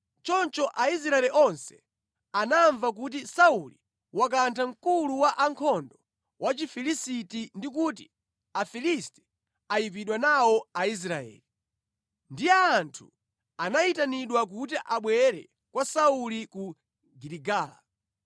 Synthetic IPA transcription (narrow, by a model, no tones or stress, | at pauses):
t͡ʃɔnt͡ʃɔʔais̬ɾaɛliʔɔnsɛ̥ | anaɱvak̬ut̬isauli | wak̬antʰam̩kuluwaʔaŋkʰɔndɔ | wʔat͡ʃifilisitindik̬ut̬i̥ | afilistɛ̥ | ajip̬iɗwanawɔais̬ɾaɛ̰ːli | ndijɛːntʰu̥ | anaitaniɗwak̬ut̬iʔaɓwɛɾɛ̰ | kwasauliku | ɡiɾiɡaːla̰